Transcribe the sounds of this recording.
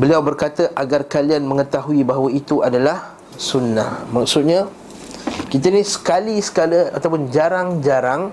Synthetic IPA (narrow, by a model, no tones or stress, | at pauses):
bəliawbərkat̪əʔaɡarkalianmə̃ŋət̪aɦuibaɦawait̪uadalah | sunːahmak̚sʊt̪̚ɲã | kit̪ənisə̥kalisə̥kaləa̰t̪awpʊnd͡ʒaɾaŋd͡ʒaɾaŋ